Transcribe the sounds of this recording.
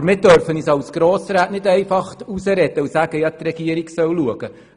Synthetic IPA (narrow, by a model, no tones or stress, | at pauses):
mɪːd̥œɾfənisɑwsɡ̥ɾoːsɾaːtnɪdɛɪfɑχtusəɾɛd̥̪əusæɡ̥əjɑt̪rɛɡ̥iəɾiksœwluəɡ̥ə